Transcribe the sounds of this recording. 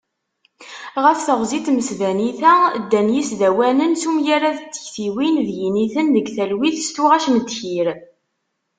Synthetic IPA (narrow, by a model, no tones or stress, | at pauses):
ʁəfθəʁzit̪məsvæniθæd̪ːænjisðæwænənsumjaɾaðət͡sːə̥çθiwinðjiniθənðəɡθælwiθst̪uʁæʃnəd̪çiɾ